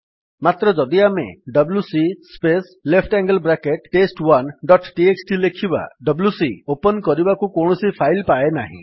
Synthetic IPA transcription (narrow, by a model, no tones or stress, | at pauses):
mat̪ɾɔd͡ʒɔd̪iamḛɖɔblusispes | lepʰʈaŋɡəlbɾakeʈʈesʈwanɖɔʈʈieksʈilekʰiba̰ɖɔbljusiopɔnkɔɾibakukowɳɔsipʰajlpaenaɦḭ̃